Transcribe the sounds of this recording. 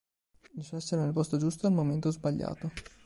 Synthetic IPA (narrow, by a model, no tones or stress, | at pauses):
d̪isɛsːeɾenelpɔst̪od͡ʒust̪oalmoment̪ozbaʎːa̰ːt̪o